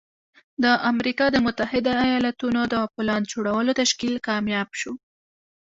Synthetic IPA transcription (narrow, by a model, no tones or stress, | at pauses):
d̪əʔamɾikɑd̪əmʊt̪ahɪd̪aːjɑlat̪unod̪əpəlɑnd͡ʒoɽawəlot̪aʃkilkɑmjɑbʃo